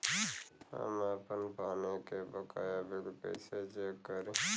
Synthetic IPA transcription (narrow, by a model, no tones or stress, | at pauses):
hə̰maːpənpaːnokebəka̰ːjaːbeɽpə̰ɪsed͡ʒekːəɾũ